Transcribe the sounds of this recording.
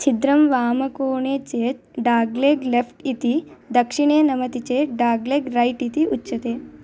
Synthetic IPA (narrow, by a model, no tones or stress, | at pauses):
t͡ʃid̪ɾɐmʋaːmɐkoːɳeːt͡ʃeːt | ɖaːɡleːɡlefʈit̪id̪ɐkʂiɳ̃eːnɐmɐt̪it͡ʃeːɖaːɡleːɡɾɐjʈit̪iʔutːt͡ʃɐt̪eː